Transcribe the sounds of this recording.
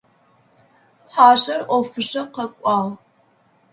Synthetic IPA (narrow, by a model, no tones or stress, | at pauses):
ħaːɕɐrʔʷɔfɨʂɐqɐkʷʼɑːl